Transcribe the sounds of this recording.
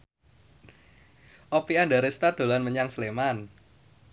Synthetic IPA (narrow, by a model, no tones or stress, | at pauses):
ʔɔpiandaɾest̪ad̪̥o̤lanməɲaŋsleman